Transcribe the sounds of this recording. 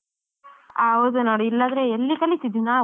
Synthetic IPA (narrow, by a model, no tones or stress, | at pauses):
aːod̪unoːɽiilːand̪ɐɾeelːikɐlːit̪id̪ina